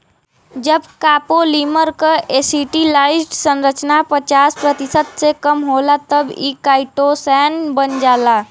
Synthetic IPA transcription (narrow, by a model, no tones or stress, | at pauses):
d͡ʒəbkaːpoliməɾkəesiʈilaɪʈsə̃nɾət͡ʃnapət͡ʃaːspɾət̪isəd̪sekəmɦolat̪əbikaːɪʈosɛnbənd͡ʒaːla